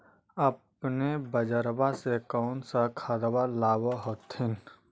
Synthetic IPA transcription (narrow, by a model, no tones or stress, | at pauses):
əp | nebəd͡ʒəɾbasekɔʊnsakʰad̪balaːbaɦoːt̪ɦɪn